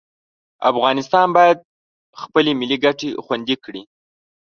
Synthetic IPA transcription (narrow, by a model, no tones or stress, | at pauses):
a̰fɣɑnɪst̪ɑnbɑjad̪̚ | xpəlemɪliɡaʈexwand̪ikɽi